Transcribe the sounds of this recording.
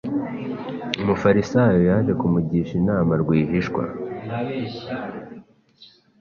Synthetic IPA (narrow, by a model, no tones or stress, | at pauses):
umufaɾisajojaʒe̞kumuɟiʃinaːmaɾɡwiːɦiʃkwa̰